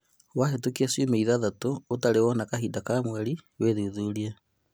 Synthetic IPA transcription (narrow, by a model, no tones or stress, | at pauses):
waɦetukiasemeiðaðatoːtaɾewɔnakaɦiːdakamwɛɾiweðuðuːɾia